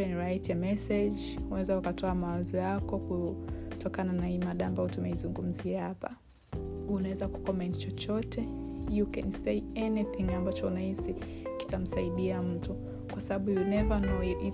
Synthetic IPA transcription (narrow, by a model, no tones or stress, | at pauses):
ɛnɹaitɛmɛsɛd͡ʒ | unawɛzaukatʰɔamawazɔjakɔkutɔkananahimaɗaːmbaɔtumɛizuŋɡum̩ziahapa̰ | unawɛzaku̥kɔmɛntt͡ʃɔt͡ʃɔtɛjukɛnsejɛniθĩŋambat͡ʃɔunahisi | ki̥tam̩saiɗiam̩tu | kwasaɓaɓujunɛvanɔi